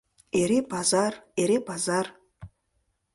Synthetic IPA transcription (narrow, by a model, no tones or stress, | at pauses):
eɾebazareɾebazar